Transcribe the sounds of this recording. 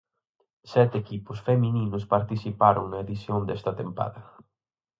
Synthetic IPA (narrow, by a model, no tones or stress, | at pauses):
sɛt̪ekipʊsfemĩnĩnʊspaɾt̪isipaɾʊŋnɐeðisjond̪ɛst̪ɐt̪empa̰ðɐ